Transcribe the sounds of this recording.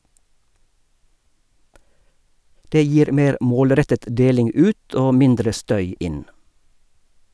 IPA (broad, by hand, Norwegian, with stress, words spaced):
ˈdeː ˈjiːɾ ˈmeːɾ ˈmoːlˌɾɛtət ˈdeːlɪŋ ˈʉːt ˈʔoː ˈmɪndɾə ˈstœʏ ˈɪn